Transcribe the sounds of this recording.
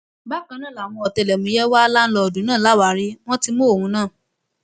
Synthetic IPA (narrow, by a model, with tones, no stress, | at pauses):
ba˦kã˧nãː˦˨la˨w̃ɔ̃˧ɔ˨tɛ˧˨lɛ˨mũ˨˦jɛ˦wa˦˧la˦n̩˦lɔ˧ɔ˨dũ˨˦nãː˦˨la˨˦˨wa˨˧˦ɾi˦w̃ɔ̃˦ti˦mo˦o˨wũ˨˦nãː˦˨